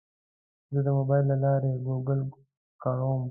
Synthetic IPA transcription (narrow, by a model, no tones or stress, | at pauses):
zəd̪əmobɑjlːalɑːɾeɡoɡəl | kɑɾoːm